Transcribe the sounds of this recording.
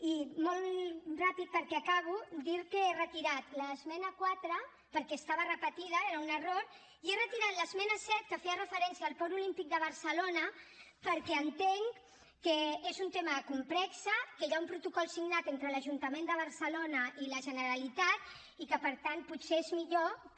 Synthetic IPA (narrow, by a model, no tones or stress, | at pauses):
imɔlˠrapit̪̚pəɾkɛakaβ̞ud̪iɾkəerət̪iɾat̪ləzmɛnəkwat̪ɾə | pəɾkɛst̪aβərəpət̪ið̞əeɾəunəroɾ | ierət̪iɾat̪ləzmɛnəsɛt̪̚kəfeərəfəɾɛnsiaːlˠpɔɾulimpik̚d̪əβəɾsəlonə | pəɾkɛənt̪eŋ | kəezunt̪eməkumplɛksəkəʒaumpɾut̪ukɔlˠsiɡnat̪ent̪ɾələʒunt̪əmend̪əβəɾsəlonəʔiləʒənəɾəlit̪at̪̚ | ikəpəɾt̪ant̪̚put̪seezmiʎo